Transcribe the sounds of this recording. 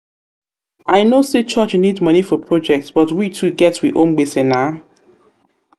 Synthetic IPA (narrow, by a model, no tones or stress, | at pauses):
ʔaɪnoset͡ʃʌt͡ʃnidmʌnifɔpʰɹɔd͡ʒɛk̚tsb̥ʌtwitʰuɡɛtwḭʔõ̰mɡ͡besɪ̃na